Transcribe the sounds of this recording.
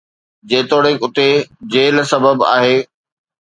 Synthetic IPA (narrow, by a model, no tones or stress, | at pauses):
d͡ʑeːt̪oːɽekʊt̪ed͡ʑeːlsɐbəba̰ːɦeː